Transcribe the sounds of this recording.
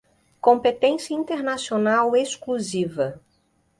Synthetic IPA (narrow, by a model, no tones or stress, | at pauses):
kõpet̪ẽsjɐĩnt̪eɾnasionaweskluzivɐ